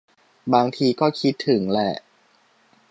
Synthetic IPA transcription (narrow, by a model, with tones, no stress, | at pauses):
baː˧ŋt̪ʰiː˧kɔː˥˩kʰi˦˥t̪ʰːɯ˩˦ŋlɛ˧˩ʔ